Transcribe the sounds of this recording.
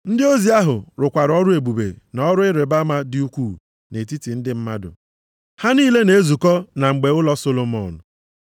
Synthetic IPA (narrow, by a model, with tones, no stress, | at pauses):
n̩˦dɪ˦o˦zi˨˦a˦ɦʊ˨ɾʊ˨kʷa˨ɾɔ˦ɾʊ˦e˨ɡ͡bu˨bḛ˨nɔ˦ɾʊ˦ɪ˦ɾe˨ba˦ma˦dɪ˦u˦kʷu˦˨ | ne˨ti˦ti˨n̩˦dɪ˦m̩˦ma˦dʊ̰˨ | ha˦niː˦le˦ne˨e˦zu˨kɔ˦na˨ŋ͡m̩˨ɡ͡be˨ʊ˦lɔ˦so˦lo˦mɔ˨n̩˨